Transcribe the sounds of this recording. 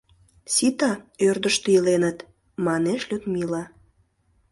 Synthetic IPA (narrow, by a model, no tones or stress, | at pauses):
sit̪ɑørd̪əʃt̪eilenət̪ | mɑneʃlʲøt̪milɑ